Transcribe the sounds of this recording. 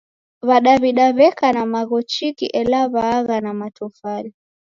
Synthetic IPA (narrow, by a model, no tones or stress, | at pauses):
βaɗaβiɗaβɛkanamaɣɔt͡ʃikḭʔɛlaβaːɣanamatɔfaɾi